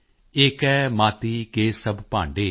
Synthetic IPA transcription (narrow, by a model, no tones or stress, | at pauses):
ɪkɛːmaːt̪iːkeːsəbpãːɳɖeː